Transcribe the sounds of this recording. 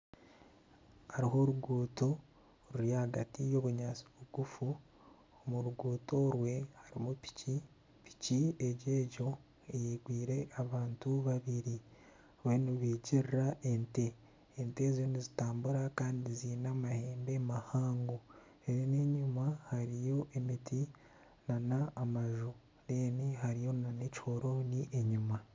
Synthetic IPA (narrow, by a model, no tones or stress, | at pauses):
haɾiɦo̞ɾuɡuːto̞ | ɾuɾjahaɡatijo̞βuɲaːsi̥βuɡ̥ufu | omuɾuɡuːto̞ɾwe̞haɾimupi̥ci | pi̥cieɟe̞ːɟo̞ | ejeːɡwiːɾe̞ʔaβaːntuβaβiɾi | weniβiːɟiɾraʔente̞ː | nte̞zonizitaːmbuɾakaːndiziːnamaheːmbe̞mahaːŋɡo | ejoneɲumahaɾijo̞ʔemitʰi | nanaːmaʒu | ɾeːniɦaɾijo̞nanecho̞ɾo̞niʔeɲuma